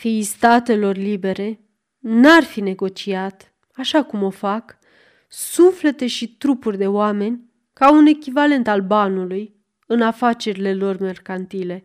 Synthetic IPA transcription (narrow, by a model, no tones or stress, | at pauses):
fist̪at̪e̞lo̞rlibe̞ɾe̞ | narfine̞ɡo̞t͡ʃiat̪ | aʃakumo̞fak | sufle̞t̪e̞ʃit̪ɾupurʲd̪e̞oame̞nʲ | kaune̞kʲivale̞nt̪albanuluj | ɨnafat͡ʃe̞ɾile̞lo̞rme̞rkant̪ile̞